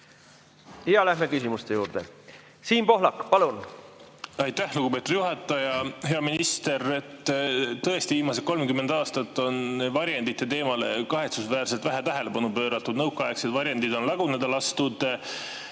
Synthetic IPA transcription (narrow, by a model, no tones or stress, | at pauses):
iɑlæhmekysimust̪ejuːɾd̪̥ḛ | siːnpo̞ɦlɑkːpɑlun | ɑjt̪ːæhluɡ̥upe̞t̪ud̪̥juɦɑt̪ːˑɑjɑhe̞ɑminist̪e̞ɾe̞t̪ːt̪ɤ̞est̪iviːmɑse̞t̪̚ko̞lmkymːe̞nd̪̥ɑːst̪ɑt̪ːo̞nvɑɾjend̪it̪ːe̞t̪e̞ːmɑle̞̰kɑɦe̞t̪susvæːrse̞lt̪væɦæt̪æɦe̞le̞pɑnupø̞ːɾɑt̪ːˑud̪nɤwkːˑɑekset̪vɑɾjɑnd̪id̪o̞nlɑɡ̥uned̪̥ɑlɑst̪ud̪̥